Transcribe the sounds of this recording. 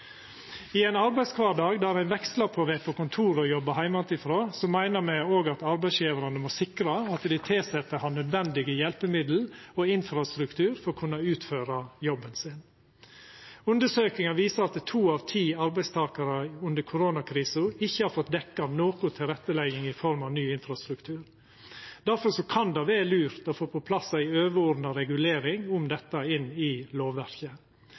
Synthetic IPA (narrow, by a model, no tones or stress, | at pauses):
ɪeːnɑɾbæɪskʰʋɑːɖɑːɡd̪æːɾæɪnʋɛkslɑpʰɔːʋepʰokʊnt̪ʰuːɾɔjɔbəhæɪmɑt̪ɪfɾoːsɔmːæɪnəmæɪoːɡɑt̪ɑɾbæɪsjiːʋəɾɑnəmosɪkɾɑɑt̪d̪ɪt̪ʰɪlsɛt̪ːəhɑnœd̪ʋɛnd̪ɪɡəjɛlpəmɪd̪l̩oːɪnfɾɑst̪ɾʉkt̪ʰʉːɾfɔɾkʰʉnːɑʉːt̪føːɾɑjɔbːənsɪn | ʉnd̪əʂøːkɪŋɑʋiːsəɾɑt̪̚d̪ɛt̪ʰuːɑʋt̪ʰiːɑɾbæɪst̪ʰɑːkɑɾɑʉnd̪əɾkʰʊɾoːnɑkʰɾiːsʊɪçːəhɑːɾfɔt̪̚d̪ɛkːɑnoːkʊt̪ʰɪlɾɛt̪ːəlɛɡɪŋɪfɔɾmɑʋnyːɪnfɾɑst̪ɾʉkt̪ʰʉːɾ | d̪̥æɾfɔɾʂɔkʰɑnd̪ɑʋeːlʉːɾt̪ɔfoːpʰɔpʰlɑsːæɪøːʋəɔɾnɑɾɛɡʉleːɾɪŋʊmd̪ɛt̪ːɑɪnːɪloːʋʋæɾkə